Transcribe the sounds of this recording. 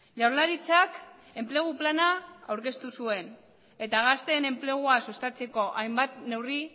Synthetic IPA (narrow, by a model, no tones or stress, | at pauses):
ʝawɾlaɾit͡sak | e̞mple̞ɣ̞uplanaawɾke̞st̪usue̞n | e̞t̪aɣast̪e̞ne̞mple̞ɣ̞uasust̪at͡se̞ko̞ʔajmbat̪ne̞wri